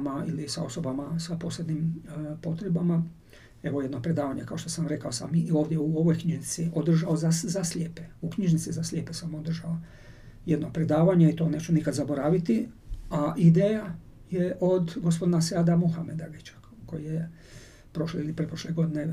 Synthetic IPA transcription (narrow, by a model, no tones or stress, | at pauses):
mailisa̰o̞so̞bamasapo̞ːslʲed̪nimpo̞t̪ɾebama | e̞ʋoje̞d̪nopɾe̞d̪aːʋaɲekaoʃt̪o̞samɾe̞kaosa̰mio̞ːʋd̪ʲjeuo̞ʋojkɲiʒnit̪siʔod̪r̩ʒao̞zaszasʎʲeːpeukɲiʒnit̪sizaslʲʎʲjeːpesamo̞d̪r̩ʒao | jed̪nopɾe̞d̪aːʋaɲeit̪o̞ːne̞ːt͡ʃunikad̪zabo̞ɾaːʋit̪iaʔid̪eːja | jeʔo̞d̪ɡospo̞d̪inasead̪amuxamed̪aɡit͡ʃḁ | ko̞jije | pɾo̞ʃleilipɾepɾoʃleɡo̞d̪ine